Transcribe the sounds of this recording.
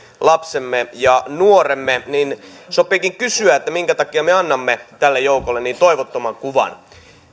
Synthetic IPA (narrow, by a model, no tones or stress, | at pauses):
lɑpsemːejɑnuoremːeninsopːˑiːkiŋkysyæet̪ːæmiŋkæt̪ɑkiɑmeɑnːɑmːet̪ælːejoukolːeniːnt̪oiʋot̪ːomɑŋkuʋɑ̰n